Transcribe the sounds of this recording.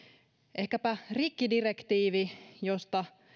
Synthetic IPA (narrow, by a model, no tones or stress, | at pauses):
ʔehkæpærikːidirekt̪iːʋijost̪ɑ